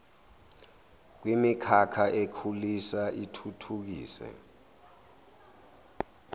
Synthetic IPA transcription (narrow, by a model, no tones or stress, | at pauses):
k̬wimikʰakʰaʔekʰulisaʔitʰutʰuk̬ḭːsɛ̰